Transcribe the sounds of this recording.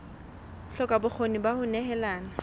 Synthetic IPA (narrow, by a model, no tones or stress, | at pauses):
ɬɔkʼabʊk͡xʰonibahʊnɛɦɛlaːna